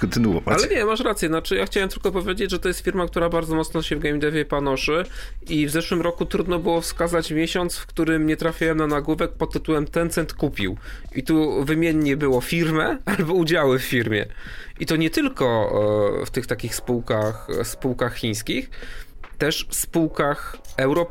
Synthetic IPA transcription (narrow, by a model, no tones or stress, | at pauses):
kɔnt̪ɘnuɔ̰valɛɲɛmaʂɾat̪sjɛnat͡ʂɘjaxt͡ɕawɛmt̪ɘlkɛpɔvʲjed͡ʑed͡ʑʐɛt̪ɔjɛst̪fʲiɾmak̚t̪uɾabaɾd̪zɔmɔt̪snɔɕɛvɡɛmʲd̪ɛvʲjɛpanɔʂɘʔivzɛʂwɘmɾɔkut̪ɾud̪nɔbɘwɔfskazat͡ɕmʲjeɕɔnt̪sfkt̪uɾɘmɲɛt̪ɾafʲawɛmnanaɡwuvɛk̚pɔt̪ːɘt̪uwɛmt̪ɛnt̪sɛnt̪kupʲḭwʔit̪uvɘmʲjɛɲɲɛbɘwɔfʲiɾmɛalbɔud͡ʑawɘfːʲiɾmʲjɛ̰ʔit̪ɔɲɛt̪ɘlkɔ | ft̪ɘxt̪akʲixspuwkaxspuwkaxxʲiɲ̃skʲixt̪ɛʂfspuwkaxɛwɾɔ